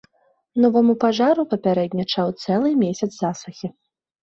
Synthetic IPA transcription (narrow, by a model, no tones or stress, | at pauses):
nɔvɐmupaʐaɾupɐpʲaɾɛd̪ʲnʲɐt͡ʂɐwt̪sɛlˠɨmʲesʲɐd̪zzasuxʲi